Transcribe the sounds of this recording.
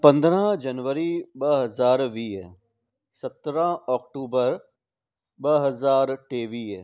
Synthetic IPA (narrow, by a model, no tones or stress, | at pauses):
pɐ̃nd̪ɾãd͡ʒɐnʋəɾibɐɦɐzaːɾʋiːɦɛ | sɐt̪ɾãɔːkʈuːbəɾ | bɐɦɐzaːɾʈeːʋiːɛ